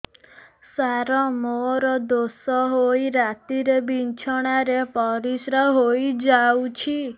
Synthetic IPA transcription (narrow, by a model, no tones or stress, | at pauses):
saɾɔmɔɾɔd̪osɔɦojɾat̪iɾebint͡ʃʰɔɽ̃aɾepɔɾisɾəɦojd͡ʒawt͡ʃʰi